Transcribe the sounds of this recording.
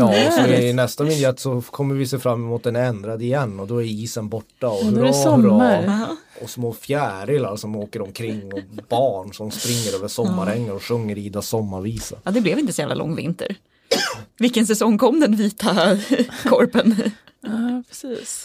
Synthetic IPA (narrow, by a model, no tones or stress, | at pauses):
jɑːɔsɔɪɪnɛst̪amɪnd̪jɛt̪ːsɔkʰɔmːəɾvɪseːfɾamːɛmuːt̪̚d̪ɛnɛnd̪ɾad̪əɪjɛnːɔd̪ɔæɾiːsənbɔʈːaɔɾbɾɑː | ɔsmoːfjæːɾɪlaɾʂɔmoːkəɾɔmkʰɾɪŋːɔbɑːɳʂɔmspɾɪŋːəɾøːvəʂɔmːaɾɛŋːaɾɔɧɵŋːəɾiːd̪asɔmːaɾviːsə̰jɑd̪ɛblɛvɪnt̪əsɔjæːvla̰lɔ̰ŋːvɪ̰nt̪ə̰ɾ | vɪkːənsɛsɔŋːkʰɔmːd̪ɛnviːt̪a | kʰɔɾpən | pʰɾɛsiːs